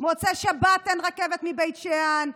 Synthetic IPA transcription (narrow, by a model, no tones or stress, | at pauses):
mot͡seʃabat̪ːenʁakevet̪mibejt̪ʃean